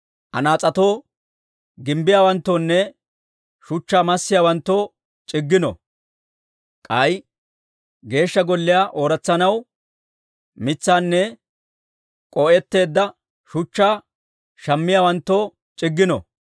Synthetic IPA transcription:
ʔɐ̰naːt͡sʼɐt̪o̞ː | ɡɪmbɪjaːwɐnt̪ːoːnːɛ | ʃʊt͡ʃːaːmɐsːɪjaːwɐnt̪ːoː | t͡ʃʼɪɡːɪnɔ̰ | kʼɐj | ɡe̞ːʃːɐɡɔlːɪjaːʔoːɾɐt͡sːɐnɐw | mɪt͡sːaːnːɛ | kʼɔʔɛt̪ːe̞ːd̪ːɐ | ʃʊt͡ʃːaː | ʃɐmːɪjaːwɐnt̪ːoː | t͡ʃʼɪɡːɪnɔ̰

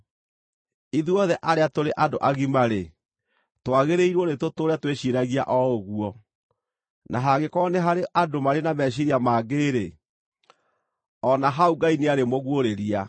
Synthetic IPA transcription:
iðuɔðɛʔaɾeatoɾeʔadoʔaɣimaɾe | twaɣeɾeiɾwɔnetotoːɾɛtweɕiɾaɣia̰ʔɔoɣuɔ | naɦaɡekɔneɦaɾeʔadomaɾenamɛɕ̬iɾiamaːɡeɾe | ɔnaɦauɡaineaɾemoɣwoɾeɾia

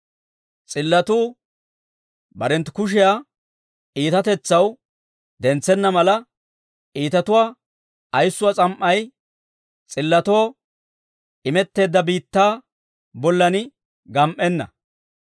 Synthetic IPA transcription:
t͡sʼɪlːɐt̪uː | bɐɾɛnt̪kʊʃ̬ɪjaː | ʔiːt̪ɐt̪ɛt͡sːɐw | d̪ɛnt͡sːɛnːɐmɐlɐ | ʔiːt̪ɐt̪ʊwaː | ɐjsːʊwat͡sʼɐmʔːɐj | t͡sʼɪlːɐt̪oː | ʔɪmɛt̪ːe̞ːd̪ːɐbiːt̪ːaː | bɔlːɐnɪ | ɡɐmʔːɛnːɐ̰

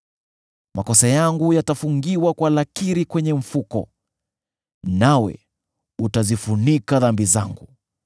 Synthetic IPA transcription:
makɔsajaŋɡujatafuŋɡiwakwalakiɾikwɛɲɛɱ̩fukɔ̰ | nawɛ̰ | utazifunikaðambizaŋɡu

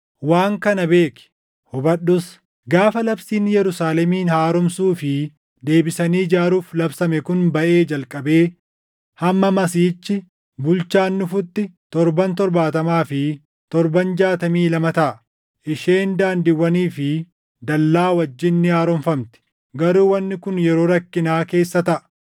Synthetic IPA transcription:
waːŋkɐnɐbe̞ːkɪ̥ | hɔbɐɗːʊs | ɡaːfɐlɐbsiːnːjɛɾʊsaːlɛmiːnhaːɾɔmsuːfɪ | d̪e̞ːbɪsɐniːd͡ʒaːɾuːflɐbsɐmɛkʊnbɐʔeːd͡ʒɐlkʼɐbeː | hɐmːɐmɐsiːt͡ʃːɪ | bʊlt͡ʃaːnːʊfʊt̪ːɪt̪ɔɾbɐnt̪ɔɾbaːt̪ɐmaːfɪ | t̪ɔɾbɐnd͡ʒaːt̪ɐmiːlɐmɐt̪ɐʔɐ | ʔɪʃeːnd̪aːnd̪ɪwːɐniːfɪ | d̪ɐlːaːwɐd͡ʒːɪnːɪhaːɾɔmfɐmt̪ɪ̥ | ɡɐɾuːwɐnːɪkʊnjɛɾo̞ːɾɐkːɪnaːke̞ːsːɐt̪ɐʔɐ̥

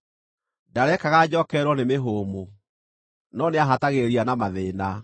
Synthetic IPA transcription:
daɾɛkaɣad͡ʑɔkɛɾwɔnemeɦoːmo | nɔneaɦataɣeɾianamaðeːna

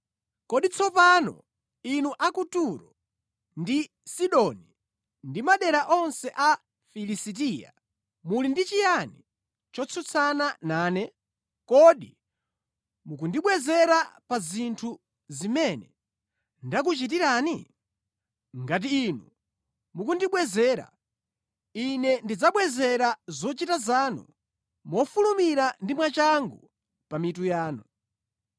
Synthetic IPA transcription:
kɔɗit͡sʰɔpanɔ̰ | inuʔakutuɾɔ | ndi | siɗɔni | ndimaɗɛɾaʔɔnsɛʔa | filisit̬iːja̰ | mulindit͡ʃijani | t͡ʃɔt͡sʰut͡sʰananaːnɛ | kɔɗi | muk̬undiɓwɛzɛɾapazintʰu | zimɛnɛ | ndak̬ut͡ʃit̬iɾani | ŋɡat̬iːnu | mukundiɓwɛzɛːɾa̰ | inɛndid͡zaɓwɛzɛɾazɔt͡ʃitazaːnṵ | mɔfulumiɾandimwat͡ʃaŋɡu | pamitujaːnɔ

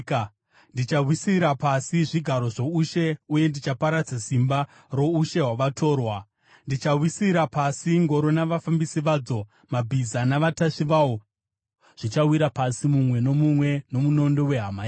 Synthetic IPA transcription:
ndit͡ʃaɦwisiɾapasiʐiɡʱaɾo̞ʐo̞uʃe̞uje̞ndit͡ʃapaɾad͡zasimba | ro̞uʃe̞ɦwaʋatʰo̞ːrwa | ndit͡ʃaɦwisiɾapasiŋɡo̞ɾo̞naʋafambisiʋaːd͡zo̞ | mabʱizanaʋataʂiʋawo | ʐ̥it͡ʃawiɾapasimumwe̞no̞mumwe̞no̞muno̞ndo̞we̞ɦamaːji

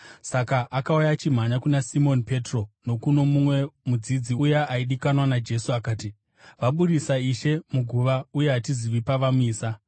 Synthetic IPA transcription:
sakaʔakaujat͡ʃim̤aɲakunasimo̞npe̞tro̞no̞kuno̞mumwe̞mud͡zid͡ziujaʔaiɗikanwanad͡ʒe̞suakaːti | ʋaɓuɾisaiʃe̞muɡʱuʋauje̞ɦatiziʋipaʋamiːsa

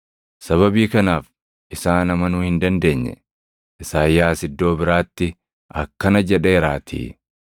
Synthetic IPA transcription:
sɐβɐbiːkɐnaːf | ɪsaːnɐmɐnʊːhɪnd̪ɐnd̪e̞ːɲːɛ̰ | ʔɪsaːjːaːsɪd̪ːo̞ːbɪɾaːt̪ːɪ | ʔɐkːɐnɐd͡ʒɛᶑe̞ːɾaːt̪ʰḭː

